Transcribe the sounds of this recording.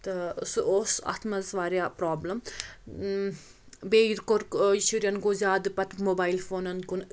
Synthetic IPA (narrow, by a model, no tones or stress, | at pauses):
t̪ɐsuoːsɐ̰t̪ʰmɐzʋaːɾʲjaːpɾaːblɐm | beːiɾkoɾkiʃuɾjɐnɡozaːd̪ɨpɐt̪moːbaːilfoːnɐnkun